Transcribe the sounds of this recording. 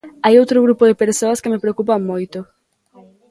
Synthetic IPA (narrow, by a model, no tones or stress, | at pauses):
ajowt̪ɾʊɣɾupʊðɪpeɾsoɐskɪmɪpɾeokupamojt̪ʊ